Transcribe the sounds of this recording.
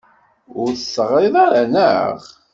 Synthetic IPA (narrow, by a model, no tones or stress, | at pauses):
ʊɾθəsːəʁɾɪðˤɑɾanəʁ